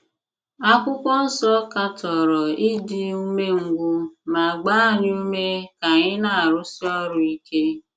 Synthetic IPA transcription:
a˦kʷʊ˦kʷɔ˦n̩˦sɔ˦ka˦tɔ˨ɾɔ˨ɪ˦di˦u˦me˦ŋ̩˦ɡʷʊ˦ma˨ɡ͡ba˦nɪ˦u˦me˦ka˨ɲɪ˦na˨a˨ɾʊ˦si˦ɔ˦ɾʊ˨i˦ke˦

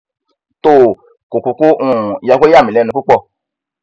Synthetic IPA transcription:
to˦˨ | ko˨ku˧˨ku˦ʔũ˦˨ja˧kʷo˦a˦˨mĩ˨lɛ˦nũ˧ku˦k͡pɔ˦˨

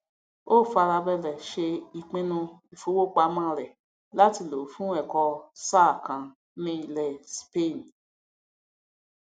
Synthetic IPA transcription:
o˦˨fa˧ɾa˧bɛ˧lɛ˨ʃe˧i˨k͡pĩ˦nũ˧i˨fu˦wo˦˨k͡pa˧˦mã˦˨lɛ˨ | la˦ti˧˨lo˨fũ˦ɛ˨kɔ˧sa˦˨kã˧ | nĩ˦˧˨lɛ˧spe˦˨n˨

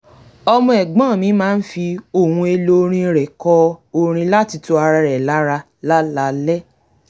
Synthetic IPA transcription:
ɔ˧mɔ̃˦ɛ˨ɡ͡bã˦˨mĩ˨˦mãː˦n̩˦fi˧o˦˨hũ˧e˧lo˧ɾ̃ĩ˧ɾɛ˨kɔ˧o˦˧ɾ̃ĩ˧la˦ti˧tu˧˦a˧ɾa˧ɾɛ˨la˨˦ɾa˧ | la˦la˨˦lɛ˦

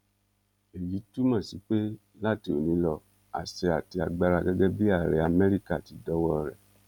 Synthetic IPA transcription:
e˨ji˨˦tu˦mã˦˨si˨˦k͡pe˦ | la˦˨ti˧o˨nĩ˨˦lɔ˧ | a̰˨se˧a˨ti˧a˨ɡ͡ba˧ɾa˧ɡɛ˦ɡɛ˦bi˦a˦˨ɾɛ˧a˧˨mɛ˦ɾi˦ka˦˨ti˨˧˦dɔ˦wɔ˦ɾɛ̰˦˨

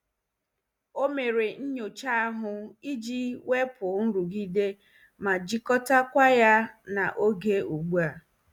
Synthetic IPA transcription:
o˦me˨ɾe˨n̩˦ɲo˨t͡ʃa˦ɦʊ˨i˦d͡ʒi˦we˦pʊ˨n̩˦ɾu˨ɡi˦de˦ | ma˨d͡ʒi˦kɔ˦ta˦kʷa˦ja˦na˨ʔo˦ɡe˦u˨ɡ͡bu˦a˨

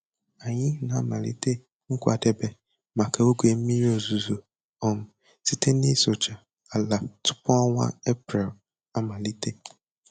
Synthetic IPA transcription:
a˨ɲɪ˦˨na˨a˨mã˨lḭ˦te˦ | ŋ̩˦kʷa̰˨de˦be˦ | ma˨kʰa˨o˦ɡʷe˨m̩˦mi˦ɾi˦o˨zu˨zo˨ | ɔ˨m̩˨ | ti˦˨te˦ni˦so˨t͡ʃa˨ | a˨la˨tʊ̥˦pʊ˦a˦ŋʷa̰˦e˦pɾɛ˨l | a˨ma˨li˦tʰe˦

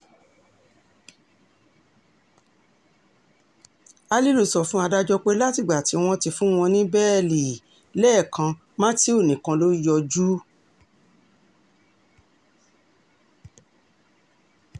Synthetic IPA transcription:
a˧li˦lu˨˧˨sɔ˨fũ˦a˧da˦d͡ʒɔ˧k͡pe˧la˦ti˦˨ɡ͡ba˨ti˨˦w̃ɔ̃˧ti˧fũ˦w̃ɔ̃˧nĩ˦bɛː˦˨li˨ | lɛː˦˨kʰã˧ | mã˦ti˦o˦˨nĩ˨kã˧lo˦jɔ˧d͡ʒu˦

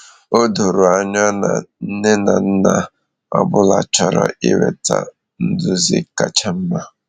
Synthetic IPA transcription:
o˦do˨ɾʊ˨a˨ɲɔ˦na̰˨n̩˦ne˦na˨n̩˦na˨ | a˦bʊ˦la˨t͡ʃɔ˨ɾɔ̰˨ʔi˦we˨ta̰˨ | n̩˦dʊ˦zɪ̰˦ka˨t͡ʃa˦m̩˦ma˦

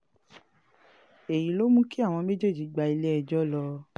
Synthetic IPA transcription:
e˨ji˨˦lo˦mũ˦ki˦a˦˨w̃ɔ̃˧me˦d͡ʒe˦˨d͡ʒi˨˦ɡ͡ba˧i˧le˦ɛ˧d͡ʒɔ˦lɔ˧

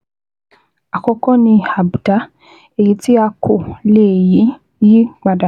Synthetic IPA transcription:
a˨kɔ˧kɔ̃˦nĩ˧a˨bda˨˦ | e˦˨ji˨˦ti˦a˧kʰo˨le˦˨ji˨˦ | ji˦ɡ͡ba˨da˨

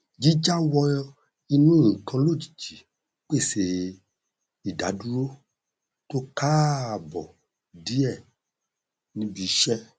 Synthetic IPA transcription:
d͡ʒi˦d͡ʒa˦wɔ˧ | i˧nũ˦˨kʰã˧lo˦˨d͡ʒi̥˨d͡ʒi˨˦ | k͡pe˦˨se˧˨ | i˨da̰˨˦du˦ɾo˦ | to˦ka˦˨bɔ̰˨ | di˨˦ɛ˦˨ | nĩ˦bi˧˦ʃɛ˦

